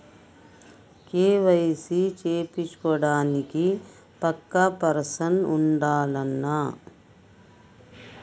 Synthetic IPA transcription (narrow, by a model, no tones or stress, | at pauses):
keːʋɐjsit͡ʃeːpit͡ʃkɔɽaːniki | pɐkːɐpɐɾsɐnuɳɖaːlɐnːɐ